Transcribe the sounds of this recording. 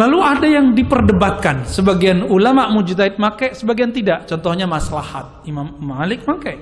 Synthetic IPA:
laluadajaŋdipərdəbat̪̚kansəbaɡianulamaʔmud͡ʒut̪aɪt̪̚makajsəbaɡiant̪idaʔt͡ʃɔnt̪ɔhɲamasalahat̪̚imamːalɪk̚makaj

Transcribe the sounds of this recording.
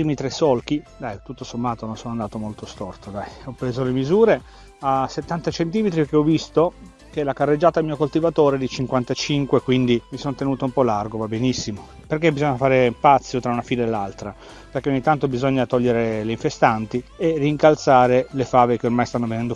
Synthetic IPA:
imit̪ɾesːɔlk̟id̪ajt̪ut̪ːosomːaːt̪ononsoːnoand̪aːt̪omolt̪ost̪ɔrt̪od̪ajɔpːɾeːzolemizuːɾe | aset̪ːant̪at͡ʃent̪iːmet̪ɾikeɔvːist̪o | keɛlakarːed͡ʒːaːt̪amiːokolt̪ivat̪oːɾed̪it͡ʃiŋkwant̪at͡ʃiŋkwekwind̪imisont̪enuːt̪oumpɔlarɡovabenisːimo | perkebizoɲːafaːɾepat̪sːjot̪ɾaunafiːnaelːalt̪ɾa | perk̟eoɲːit̪ːant̪obizoɲːat̪ɔʎːeɾeleĩɱfest̪ant̪ierːiːŋkalt̪saːɾelefaːvek̟eormajst̪anːovenɛnd̪o

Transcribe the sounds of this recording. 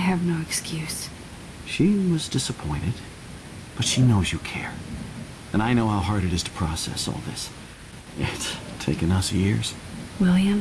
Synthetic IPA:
ɨvnoʊɨkskʰjʉs | ʃiwʌzdɪsəpʰɔ̃ɪ̃ñɨd̚ | b̥ʌtʃinoʊzjɨkʰɛ̰ɹ | ɨ̃naɪnoʊhaʊɦɑɹɾɨɾɨz̥tʰə̥pʰɹ̥ɔsɛ̰sɔ̰lˠðɪ̰s | ɪtstʰeɪkɨ̃nʌsjɪ̰ɹz̥ | wɪlˠjɨ̃m

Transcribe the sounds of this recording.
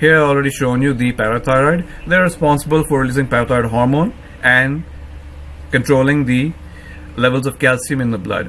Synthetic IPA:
hiəɾaɪɔːlɾeɖiʃõːnjud̪ipæɾət̪ʰaɾaɪɖd̪eɾɪspɔ̃nsəbəlfɔɾɪliːzɪ̃ŋpæɾət̪aɪɖɦɔːɾmõːn | ɛ̃ɳɖ | kə̃ɳʈɾoːlɪ̃ŋd̪i | lɛʋəlzɔʋkælsĩmɪ̃nd̪əblʌ̰ɖ

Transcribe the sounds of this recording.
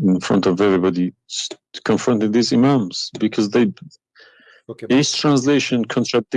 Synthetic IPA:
ɪ̃nfɹʌ̰̃ntʌvɛvɹibɑdis | kʰə̃ɱfɹʌ̃ntɪ̃ŋðizɪmãmz̥bɨkʰʌzðeɪ | ɪstʰɹ̥æ̃ns̬leɪʃɨ̃nkʰɔ̃ntʰɹ̥æk̚t̚

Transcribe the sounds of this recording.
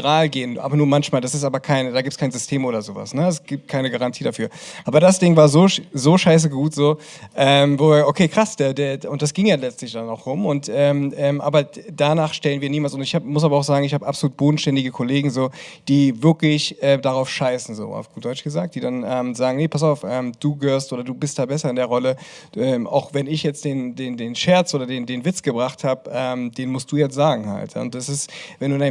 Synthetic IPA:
ʁaːlɡeːənʔa̰ːbɐnuːɐmançmaːldasɪs̬taːbɐkʰaɪnədaːɡiːptskʰaɪnzʏstʰeːmʔoːɾɐzoːva̰snəɛsɡ̥iːp̚t̚kʰaɪnəɡaʁantʰiːdafyːɐʔaːbɐdasd̥ɪŋvaːɐzoːʃzoːʃaɪs̬əɡuːtz̥oː | ʔɛːmvoɐʔokʰeːkʁ̥asd̥eːɐdeːɐʊntd̥as̬ɡ̥ɪŋjaːlɛt͡stlɪçd̥anaʊxʁʊmʊntʔɛːmʔɛːmʔa̰ːbɐdanaːχʃtɛlənviːɐniːmaːlsʊntɪçhaːbəmʊs̬aːbɐaʊxz̥aːɡŋ̩ɪçhaːbəʔapzoluːt̚b̥oːdn̩ʃtɛndɪɡəkʰɔleːɡŋ̩zoːd̥iːvɪɐklɪçʔɛːmdaʁaʊfʃaɪsn̩zo̰ːʔa̰ʊfd̥ɔʏt͡ʃɡ̥əzaːk̚td̥iːdanʔɛːmzaːɡŋ̩nepʰas̬aʊfʔɛːmd̥uːɡəɦøːɐstʔoːɾɐduːbɪst̚d̥aːbɛsɐɪndeːɐʁɔləʔɛːmʔa̰ʊxvɛnɪçjɛt͡std̥eːndeːndeːnʃɛɐt͡sʔoːdɐdeːndeːnvɪt͡sɡ̥əbʁaχthaːbəʔɛːmd̥eːnmʊst̚d̥uːjɛt͡stz̥aːɡŋ̩ha̰ltja̰ːʊ̰nt̚d̥asɪstvɛnduːnaɪ

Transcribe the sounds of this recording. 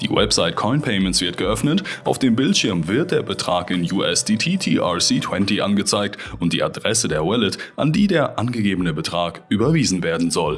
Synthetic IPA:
d̥ḭːwɛ̰pz̥aɪt̚kʰɔɪnpʰɛɪmɛnsv̥ɪɐt̚ɡ̥əʔœfnətʔaʊfd̥eːmbɪltʃɪɐmvɪɐt̚d̥eːɐbətʁ̥aːkɪnjuːʔɛsd̥iːtʰiːtʰiːʔasiːtʰw̥ɛntiʔa̰nɡət͡saɪk̚tʊnt̚d̥iːʔa̰dʁɛsədeːɐwɛlətʔa̰ndiːdeːɐʔanɡəɡeːbənəbətʁ̥aːkʔyːbɐviːzn̩veːɐdn̩zɔl

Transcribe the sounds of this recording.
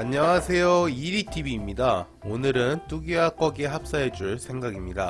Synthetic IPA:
aɲːaŋasʰe̞joiɾitʰibiːmɲida | onɯɾɯnt͈uɡiak͈ʌɡeɦap̚s͈ae̞d͡ʑuɭsʰe̞ŋɡaɡimɲida

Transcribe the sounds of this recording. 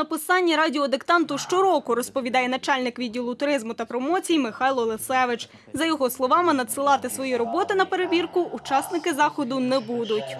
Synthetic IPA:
nɐpɪsɑnʲːiɾɑdʲiɔd̪ɪkt̪ɑnt̪ʊʃt͡ʃɔɾɔkʊɾɔspɔʋʲid̪ɑjɛnɐt͡ʃɑlʲnɪkʋʲidʲːilˠʊt̪ʊɾɪzmʊt̪ɐpɾɔmɔt͡sʲijimɪxɑjlˠɔlˠesɛʋɪt͡ʃ | zɐjɔɦɔslˠɔʋɑmɪnɐt̪sɪlˠɑt̪ɪsʋɔjiɾɔbɔt̪ɪnɐpe̞ɾeʋʲirkʊʔːt͡ʃɑsnɪkɪzɑxɔd̪ʊnɛbud̪ʊtʲ

